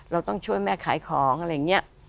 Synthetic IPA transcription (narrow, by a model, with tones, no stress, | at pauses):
ɾa˧wt̪ɔ˥˩ŋt͡ɕʰu˥˩əjmɛː˥˩kʰaː˩˦jkʰɔː˩˦ŋʔa˧˩ɾa˦jːa˨˩ŋːni˦˥ɐ